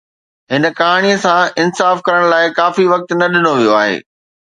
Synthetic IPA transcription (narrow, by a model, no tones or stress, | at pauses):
ɦɪnə̆kɐɦaːɽ̃iəsãɪnsaːfkɐɾəɽ̃laːɪkaːfiʋɐk̚t̪nɐɗɪnoʋijoaːɦḛː